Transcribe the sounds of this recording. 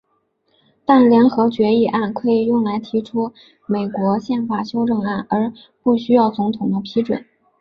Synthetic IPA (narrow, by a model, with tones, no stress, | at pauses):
t̪a˥˩nljɛ˧˥nxɤ˧˥t͡ɕɥɛ˧˥i˥˧ʔa˥˩nkʰɤ˧˥i˨˩jʊ˥˩ŋla˧˥ɪt̪ʰi˧˥ʈ͡ʂʰu˥ | me˨˩ɪkwɔ˧˥ɕjɛ˥˩nfa˨˩ɕjo˥ʊʈ͡ʂɤ˥˧ŋa˥˩nə˞˧˥ | pu˥˩ɕy˥jɑ˥˩ʊt͡sʊ˧˥ŋt̪ʰʊ˨˩ŋd̪ə˦pʰi˧˥ʈ͡ʂwə̰˨˩˦n